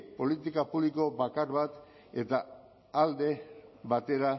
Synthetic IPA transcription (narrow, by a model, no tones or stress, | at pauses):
po̞lit̪ikapuβliko̞bakaɾβat̪ | e̞t̪aː | ld̪e̞βat̪e̞ɾa